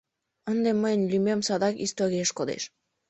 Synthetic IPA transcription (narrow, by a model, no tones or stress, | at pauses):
ənd̪eməjənʲlʲymemsɑd̪ɑkist̪oɾieʃkod̪ḛʃ